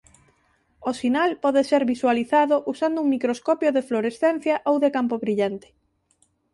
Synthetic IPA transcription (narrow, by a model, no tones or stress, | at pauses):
osinalpɔðeseɾβiswaliθaðoʔusand̪ʊuŋmikɾoskɔpjoðefloɾesθen̟θjɐʔowðekampoβɾiʎant̪ɪ̥